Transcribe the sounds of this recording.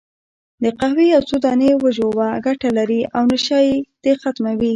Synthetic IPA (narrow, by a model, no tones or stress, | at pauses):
d̪əqahwejawsud̪ɑnewəʒowaɡaʈalaɾiawnaʃɑjed̪̥exat̪mawi